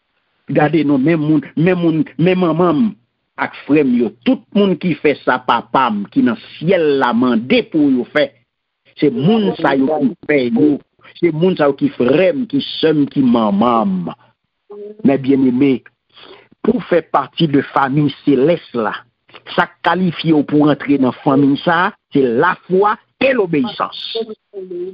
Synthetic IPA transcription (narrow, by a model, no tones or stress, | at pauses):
ɡadenɔ̃mɛ̃mːũnmɛ̃mːũnmɛ̃mɐ̃mãm | akfʁɛmjot̪ut̪̚mũnkifɛsapapamkinɐ̃sjɛlːamɑ̃depujofɛ | semũnsajokifɛjo | semũnsajokifʁɛmkisœmkimãmãm | ɛ̃bjɛ̃neme | pufɛpaʁtid̪əfamijselɛstla̰ | sakːalifjeopuʁãt̪ʁenãfãmĩjsaselafwa | elobeisɑ̰̃s